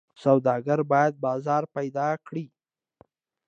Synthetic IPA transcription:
sawd̪ɑɡaɾbɑjad̪̚bɑzɑɾpajd̪ɑkɽi

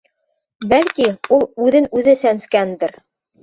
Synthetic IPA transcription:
bælkiulˠʉðɘnʉðɘsænskænd̪ɘ̆ɾ

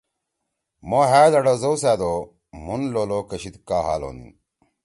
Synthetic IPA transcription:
moːɦaːd̪ɐɽozowsæːd̪oː | munloːloːkɐɕid̪kaːɦa̰ːlo̰ːnḭ

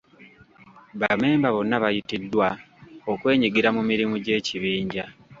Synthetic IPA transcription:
βame̞ːmbaβo̞nːaβajitidːwa | okwe̞ːɲiɡiɾamumiɾimuɟe̞ːciβiːɲɟa

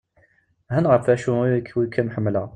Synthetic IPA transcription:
ɦænʁəfæʃumikʰːwikʰːæmħəmːlə

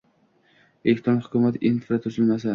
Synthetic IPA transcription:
elek̚ʲt̪ʰɾonhʊkʰʲʊmat̪infɾat̪ʰʊsɪlmas̬a

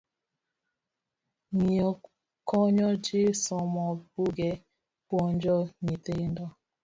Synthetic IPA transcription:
ɲiɔ | kɔɲɔd͡ʒesɔmɔbuɡe | pwɔnd͡ʒɔɲitendɔ

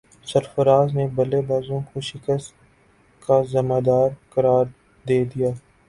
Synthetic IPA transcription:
sɐɾfəɾaːznebɐlebaːzõkoʃɪkəst̪ | kazɐmaːd̪aːɾkɐɾaːɾ | d̪eːd̪ijaː

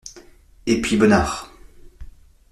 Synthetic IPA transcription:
epɥibənaːʁ

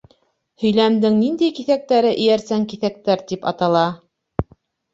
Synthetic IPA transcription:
hɵ̆jlæmd̪ɘŋnind̪æjkiθæk̚t̪æɾɘʔɘ̆jæɾsæŋkiθæk̚t̪æɾt̪ipɑt̪ɑlˠɑ

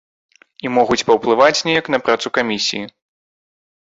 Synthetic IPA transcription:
imɔɣut͡sʲpɐwplˠɨvat͡sʲnʲɛjɐknɐpɾat̪sukamʲisʲḭji

